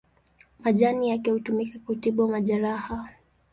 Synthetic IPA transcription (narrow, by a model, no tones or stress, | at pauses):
maʄanijakɛhutumikakuutiɓuwamaʄaɾaha